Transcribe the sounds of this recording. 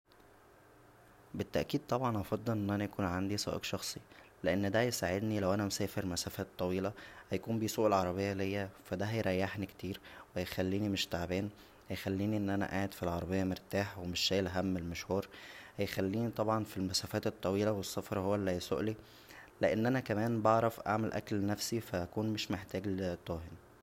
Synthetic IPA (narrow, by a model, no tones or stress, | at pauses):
bet̪ːæʔkiːd̪̚t̪ˤɑbʕɑnʔɑfɑd̪ˤːelʔenːʔænæjækuːnʕand̪isˤɑ̰ːʔḛqʃɑxsˤileʔenːd̪æjesaʕed̪nilæwʔænæmsæːfeɾmæsæːfæːt̪ˤːɑwiːlɑhæjækuːmbiːsuːʔelʕɑɾˤɑbejːælejːæfæd̪æɦæjɾɑjːaħnikt̪iːɾwehæjxælːiːnimeʃt̪aʕbæːn | hæjxælːiːniʔenːʔænæ̰ʔaːʕed̪filʕɑɾˤɑbejːæmeɾt̪aːħwemeʃːæːlɦæmːelmæʃhuːɾhæjxælːiːnit̪ˤɑbʕɑnfilmæsæːfæːt̪et̪ˤːɑwiːlæwesːɑfɑɾˤhowːælːæjso̰ʔli | leʔenːʔænækæmæːnbɑʕɾˤɑfʔa̰ʕmelʔæ̰klnæfsifæʔækuːnmeʃmeħt̪æːɡlt̪ˤːɑːɦen